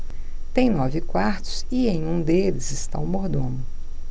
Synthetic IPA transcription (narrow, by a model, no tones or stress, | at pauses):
t̪ẽj̃nɔvɪkwaɾt̪ʊ̥siẽj̃ũd̪elɪzɪst̪a̰ʊmoɾd̪õnʊ